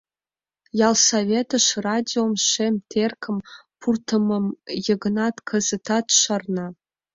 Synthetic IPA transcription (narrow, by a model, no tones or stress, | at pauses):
jalsavʲetʰɨʃradʲiomʃemtʰerkʰəmpʰurtʰəməmjəɡnatʰkʰɐzɨtʰatʃarna